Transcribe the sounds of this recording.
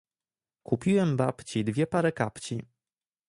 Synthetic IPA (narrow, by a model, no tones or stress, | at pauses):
kupʲiwɛmbapt͡ɕid̪vʲjɛpaɾɛkapt͡ɕi